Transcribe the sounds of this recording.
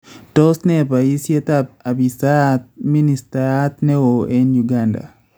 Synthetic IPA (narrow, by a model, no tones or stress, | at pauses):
tɔsnɛpaisjet̪ab̚abisat̪̚ministat̪nɛoʔɛnjuɡanda̰